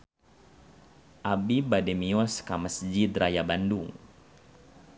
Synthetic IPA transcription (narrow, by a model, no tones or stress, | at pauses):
ʔabibadɛmiɔskaməsd͡ʒid̪rajabanduŋ